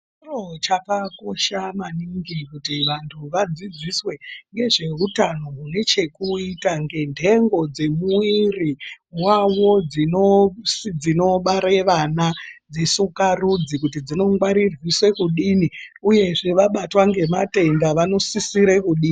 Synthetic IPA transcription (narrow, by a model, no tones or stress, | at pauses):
rot͡ʃakako̞ʃamaniŋɡikutiʋantʰuʋad͡zid͡ziswe̞ŋɡe̞ʐe̞utano̞ɦune̞t͡ʃe̞kuitaŋɡe̞ndʱe̞ŋɡo̞d͡ze̞muiriwawo̞d͡zinosd͡zino̞ɓaɾeʋanad͡zisukarud͡zik̬utid͡zino̞ŋɡwaɾirwiswe̞kuɗiniuje̞ʐe̞ʋaɓatwaŋɡe̞mate̞ndaʋano̞sisiɾekuɗiːni